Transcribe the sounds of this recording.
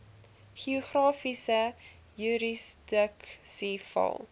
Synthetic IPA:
χiuχrɑːfisə | jyɾisdəksifɐ̰lˠ

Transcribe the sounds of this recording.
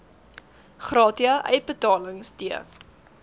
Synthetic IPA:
χrɑːtiɐʔɛ̰jt̚bətɑːləŋstiə̰

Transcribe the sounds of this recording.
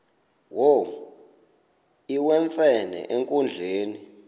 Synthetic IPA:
wo | iwɛɱfɛnɛ̰ʔeŋkʼund͡ɮʱeːni

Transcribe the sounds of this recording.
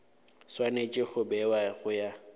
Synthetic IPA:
swanet͡ʃʼɪɣʊbɛwaɣʊja

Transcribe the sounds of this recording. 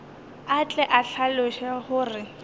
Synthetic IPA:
at͡ɬʼɛʔaɬʰaloʃɛhʊːrɪ

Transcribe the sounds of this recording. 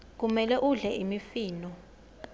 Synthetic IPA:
k̬umɛlɛʔuɮɛʔimifiːnɔ

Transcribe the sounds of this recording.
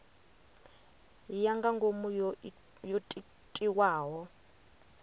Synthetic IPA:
jaŋɡaŋɡomu | jotʼ | tʼiwaːɦɔ

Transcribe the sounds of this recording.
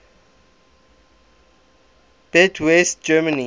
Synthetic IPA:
b̥ɛdʰwɛst̚d͡ʒɛmani

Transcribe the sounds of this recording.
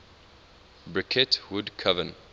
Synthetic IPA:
bɹɪkʰɪtwudkʰavə̃n

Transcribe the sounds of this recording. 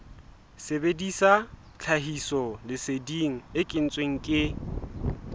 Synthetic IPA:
sebedisa | t͡ɬʰaɦisɔlɪsediŋ̩ɪkʼɪn̩t͡sʼweŋ̩kʼɪ

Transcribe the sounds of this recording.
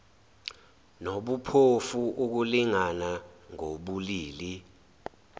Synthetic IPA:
noɓupʰofuʔuk̬uliŋanaŋoɓuliːli

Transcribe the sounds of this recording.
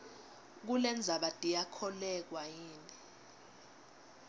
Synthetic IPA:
k̬ulɛnd͡zʱaɓatʼijakʰɔlɛk̬wajiːnʼɛ

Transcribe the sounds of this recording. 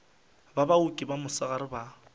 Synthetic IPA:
babaukʼibamʊsɔɣaɾɪba

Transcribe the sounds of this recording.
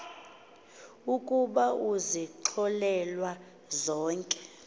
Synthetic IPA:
ukʼuɓauziǁʰɔlɛlwa | zɔːŋkʼɛ̥

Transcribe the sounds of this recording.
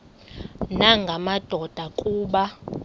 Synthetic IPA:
naŋɡʱamad̥ʱɔd̥ʱakʼuːɓa

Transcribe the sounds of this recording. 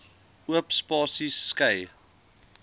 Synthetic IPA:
uəpspɑːsisːkɛj

